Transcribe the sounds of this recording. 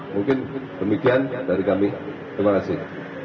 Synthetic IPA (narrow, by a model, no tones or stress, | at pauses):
muŋkɪndəmikiandaɾikamɪ | imakasɪh